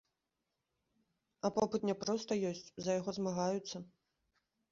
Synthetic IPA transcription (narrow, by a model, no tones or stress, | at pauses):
ɐpɔpɨt̪nʲɛpɾɔst̪ɐjɔsʲt͡sʲzɐjaɣɔzmaɣajut̪sːɐ